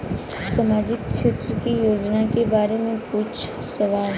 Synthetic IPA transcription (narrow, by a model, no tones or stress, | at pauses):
səmaːd͡ʒɪkːʃeːt̪ɾəkijoːd͡ʒnakebaːɾemẽpuːt͡ʃʰ | səʋaːl